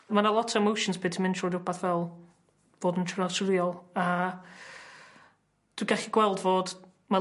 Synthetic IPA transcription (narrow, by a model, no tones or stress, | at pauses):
manəlˠɔtʰɔvmowʃɔ̃nsb̥ɪːtʰəmɪntʰɔːdʊbaθvɛlˠ | voːdəntʰrasɾiɔlˠa | d̥wiɡaχiɡwɛlˠdvoːd̥ | ma